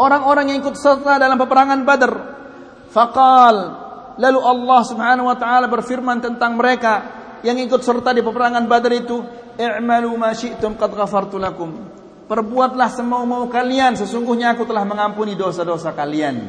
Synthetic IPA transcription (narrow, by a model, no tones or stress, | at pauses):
ʔoɾaŋoɾaŋjaŋikʊt̪̚sərt̪adalampəpəɾaŋanbadər | fɑqɑlː | aluʔɑlːɑhsubhanahuwat̪aʔalabərfirmant̪ənt̪aŋməɾeka | jaŋikʊt̪̚sərt̪adipəpəɾaŋanbadəɾit̪u | ʔɪʕmalumaʃɪʔt̪ʊmqɑdɣafɑrt̪ulakʊm | pərbuat̪̚lahsəmaumaukaliansəsuŋɡʊhɲaːkut̪əlahməŋampunidosadosakalian